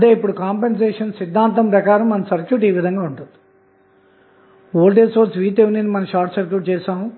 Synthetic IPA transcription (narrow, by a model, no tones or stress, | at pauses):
ɐd̪eːipːuɽukaːmpenseːʂɐnsid̪ʱːaːnt̪ɐmpɾɐkaːɾɐmːɐnɐmsɐɾkjuːʈiːʋid̪ʱɐŋɡaːuɳʈund̪i̥ | oːlʈ̬eːsoːɾsʋiːt̪eʋuninimɐnɐmʃaːɾʈsɐɾkjuːʈt͡ʃɛːʃaːmu